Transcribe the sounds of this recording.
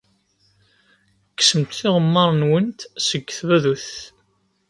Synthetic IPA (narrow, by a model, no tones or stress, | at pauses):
kːə̥səmt̪θɪʁəmːɑɾˤnwənt̪səɡːθvæðuθ